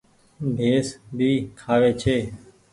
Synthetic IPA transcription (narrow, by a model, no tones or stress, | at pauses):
bʱeːsbʱiːkʰaːʋeːt͡ʃʰeː